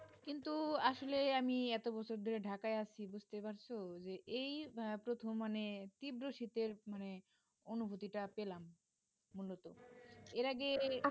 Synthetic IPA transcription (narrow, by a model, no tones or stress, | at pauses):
kint̪uaʃoleamiɛt̪obɔt͡ɕʰoɾd̪ʱoɾeɖʱakaeat͡ɕʰibud͡ʑt̪epaɾt͡ɕʰod͡ʑeʔejpɾot̪ʰomːanet̪ibɾoʃit̪eɾmane | onubʱut̪iʈapelamː | ulot̪oeɾaɡe